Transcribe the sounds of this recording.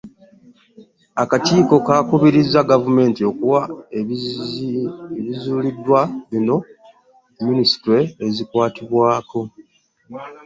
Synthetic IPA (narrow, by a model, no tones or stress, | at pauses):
akatiːko̞kakuβiɾizːaɡavume̞ːntio̞kuwa | eβizuːlidːwaβino̞ | minisi̥tɾeezikwaːtiβwaːko̞